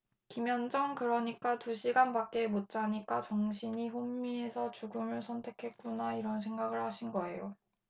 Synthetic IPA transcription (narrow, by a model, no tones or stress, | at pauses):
kimjʌnd͡ʑʌŋkɯɾʌɲik͈atuɕʰiɡanbak͈̚e̞mot̚t͡ɕ͈aɲik͈at͡ɕʌŋɕʰiɲiɸomːie̞sʰʌt͡ɕuɡɯmɯɭsʰʌntʰe̞kʰe̞t̚k͈unaiɾʌns̬ʰe̞ŋɡaɡɯɭhaɕʰinɡʌe̞̰jo